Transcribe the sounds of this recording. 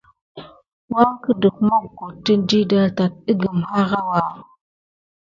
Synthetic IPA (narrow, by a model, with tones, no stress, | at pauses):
wa˦ŋkə˦də˨kma˦kːo˨tːə˦n˦di˦da˦ɾta˨t̚ə˦ɡə˨mha˦ɣa˦wa˨